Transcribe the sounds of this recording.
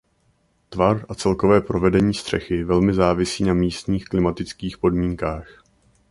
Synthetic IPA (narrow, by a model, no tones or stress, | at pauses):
t̪vaɾʔat͡sɛlko̞vɛːpɾo̞vɛdɛɲiːst̪r̥ɛxɪvɛlmɪzaːvɪsiːnamiːst̪ɲiːxklɪmat̪ɪt͡skiːxpo̞dmiːŋkaːx